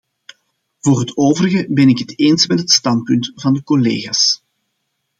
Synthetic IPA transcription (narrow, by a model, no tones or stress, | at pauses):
v̥oːrɦətoːvəɾəɣəbɛnɪkɦəteːnsmɛtɦətstɑnt̚pʏntvɑndəkɔlḛːɣaːs